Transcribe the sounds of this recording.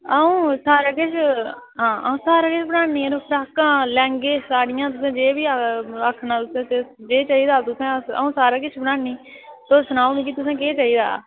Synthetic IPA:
əũːsaːɾaːkɪt͡ʃʰɦãːə̰ũːsaːɾaːkɪt͡ʃʰbənaːniːɾoːpʰɾaːkãːlɛ̃ːŋɡeːsaːɽɪjãːt̪ʊs̬ẽːd͡ʒeːbiːəkʰnãːt̪ʊsẽːt̪ed͡ʒeːt͡ʃaːiːd̪aːt̪ʊsẽːə̰ũːsaːɾaːkɪt͡ʃʰbəɽãːniː | t̪oːsənaːũːnĩːk̬it̪ʊsẽːkeːt͡ʃaːiːd̪a̰ː

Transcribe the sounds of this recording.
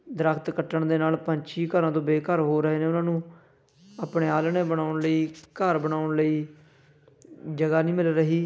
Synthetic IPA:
d̪əɾakʰt̪kəʈːəɳd̪eːnaːlpəɲt͡ʃiːkəɾãːt̪õːbeːkəɾɦoːɾəɦeːneːʊnãːnũː | aːpɽeːaːlɳeːbəɽ̃aːʊɳləiːkəɾbəɽaːʊɳləiː | d͡ʒəɡaːnĩːmɪlɾəɦiː

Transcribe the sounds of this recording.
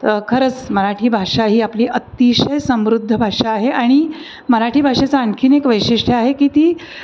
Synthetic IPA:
kʰəɾət͡sməɾaʈʰiːbʱaʂaɦiːapliːʔət̪iɕəjsəmʋɾud̪ʱːəbʱaʂaːɦeaɽ̃i | məɾaʈʰiːbʱaʂat͡saəɳkʰiːnekʋəjʂiʂʈʰəaɦekiːt̪iː

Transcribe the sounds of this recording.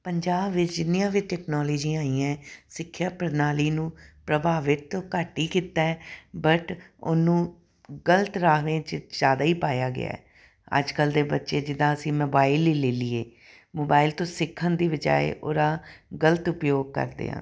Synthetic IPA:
pəɲd͡ʒaːbʋɪt͡ʃd͡ʒɪnːijãːʋiʈɛːknɔːloːd͡ʒiːaːiːãːsɪkʰːjaːpəɾnaːliːnũːpɾəbʱaːʋɪt̪ːõːkəʈːiːkiːt̪aːɛbəʈo̰nũː | ɡələt̪ɾaːʋẽːt͡ʃzjaːd̪aːiːpaːjaːɡɪ̰a̰ːɛː | ə̰d͡ʒkəld̪eːbətːʃeːd͡ʒɪd̪ãːəsĩːmoːbaːɪlːiːleːliḛː | moːbaːɪlt̪õːsɪkʰːənd̪iːʋəd͡ʒa̰ːḛːʔo̰ːɾaːɡələt̪ʊpjoːɡ̚kə̰ɾd̪ḛːã̰ː

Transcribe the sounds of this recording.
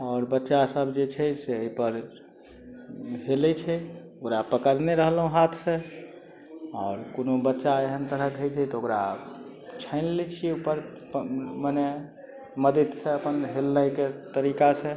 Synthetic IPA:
ɔːɾbətːʃasəbd͡ʒet͡ʃʰɛseəipəɾ | ɦelɛt͡ʃʰɛ | okɾapəkəɾneɾəɦlɦũɦat̪ʰsẽ | ɔːɾkonobətːʃaeɦənt̪əɾəkɦəjt͡ʃʰɛt̪ɔokɾa̰ | t͡ʃʰəɪnlet͡ʃʰieupəɾ | məne | məd̪id̪sẽəpənɦelːəjket̪əɾikasẽ

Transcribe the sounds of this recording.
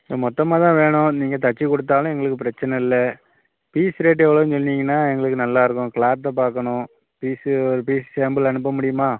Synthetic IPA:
ɐmɔt̪ːɐmaːt̪ãːʋeːɳʊ̃niːŋɡɐt̪ɐt͡ʃːikɔɽɯt̪ːaːlʊ̃ɛŋɡɐɭɯkːɯpɪɾɐt͡ʃːɐnɛɪlːɐ | piːsɾeːʈːɛʋːɐɭoːɪnsɔnːiːŋɡɐnːaːɛŋɡɐɭɯkːɯnɐlːaːɪɾɯkːʊ̃kɭaːɐpaːɾkɐɳʊ̃ | piːsɔɾɯpiːst͡ʃeːmbɪlɐɳɯpːɐmʊɽɪjɯmaː

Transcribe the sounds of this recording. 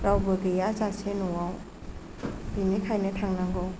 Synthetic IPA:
ɾawbɯɡejazasenɔwaw | binikʰajnɯtʰaŋnaŋɡɔw

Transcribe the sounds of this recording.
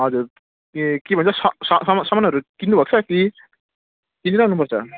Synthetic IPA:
ɦʌd͡zuɾ | kebʱʌnt͡sʰʌsʌsʌmsʌmanʌʌɾukind̪ubʱʌk̚t͡sʰʌki | k̪ind̪iɾaɦunːupʌrt͡sʰʌ

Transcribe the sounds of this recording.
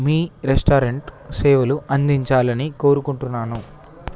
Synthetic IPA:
miːɾesʈaːɾeɳʈseːʋɐluʔɐnd̪iɲt͡ʃaːlɐniko̞ːɾukuɳʈunːaːnu

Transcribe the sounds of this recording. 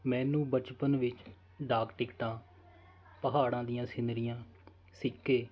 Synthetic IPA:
mɛ̃ːnũːbət͡ʃpənʋɪt͡ʃ | ɖaːkʈɪkʈãː | pəɦaːɽãːd̪ɪjãːsɪnd̪ɾɪjãː | sɪkːeː

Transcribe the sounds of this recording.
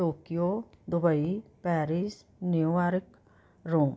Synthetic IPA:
oːkjoːd̪ʊbəipɛːɾis | neaːɾɪk | ɾoːm

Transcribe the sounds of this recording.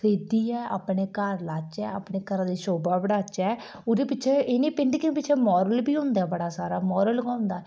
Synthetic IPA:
seːd̪iːɛːʔa̰ːpɳeːkəɾlaːt͡ʃɛːapɳeːkəɾãːd̪iːʃoːbaːbəɽaːt͡ʃɛː | ʊd̪eːpɪt͡ʃʰʃʰeːenẽːpɪɳɖkɪ̃pɪt͡ʃʰeːmɔːɾəlbiːɦʊ̃nd̪aːbəɽaːsaːɾaːmɔːɾəlɡaːʊ̃nd̪aː

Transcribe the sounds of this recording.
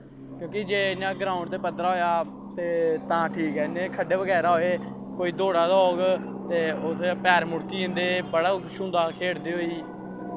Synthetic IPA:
kjõːkɪd͡ʒeːɪnːãːɡɾaːʊɳt̪eːpət̪ɾaːɦoːjaː | t̪eːt̪ãːʈʰiːkɦɛːnẽːkʰəɖeːʋəɡɛːɾaːɦoːeː | koːiːd̪oːɽaːd̪aoːɡ | t̪eːʊt̪ʰːepɛːɾmʊɽkiːɪ̃nd̪eːbəɽaːʃʊ̃nd̪aːkʰeːɽd̪eːɦoːiː

